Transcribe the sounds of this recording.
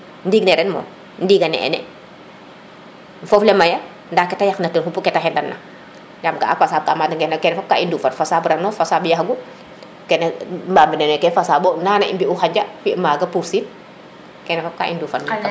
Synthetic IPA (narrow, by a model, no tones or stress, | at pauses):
ndiːɡnɛɾɛnmɔ̰ː | ndiːɡɐnɛ̰ʔɛ̰nɛ̰ | ɱfɔflɛmɐjɐ | ndaːkɛtajaxnɐtənhupukɛtaxɛndɐnːɐ̰ | ɲamkaa̰fasaːb̚kamadɐŋɡɛnkɛnɛfap̚kaʔinduːfɐnfasaːbɾanɔfasaːbjɐxɡu | kɛnɛmbaːmbinɛnɛkɛnfasaːbɔnaːnɐimbiuxaɲd͡ʒɐfimaːɡɐpuɾsiːn | kɛnɛfap̚ka̰ʔḭnduːfɐnnk